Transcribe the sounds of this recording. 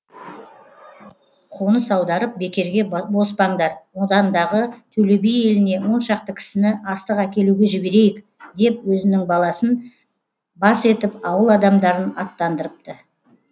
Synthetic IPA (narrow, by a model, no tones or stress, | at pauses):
qʰonəsɑwd̪ɑɾəp̚be̞kʲe̞ɾɡʲe̞bo̞spɑɴd̪ɑɾwo̞d̪ɑnd̪ɑʁət̪ʰɵle̞bije̞lɪne̞wo̞nʃɑqt̪əkʲʰɪ̥sɪnɪʔɑst̪əqækʲe̞luɡʲe̞ʒɪbe̞ɾe̞jɪk | d̪e̞pwɵzɪnɪŋbɑlˠɑsən | bɑse̞t̪ɪpɑwəlˠɑd̪ɑmd̪ɑɾənɑt̪ːɑnd̪əɾəp̚t̪ə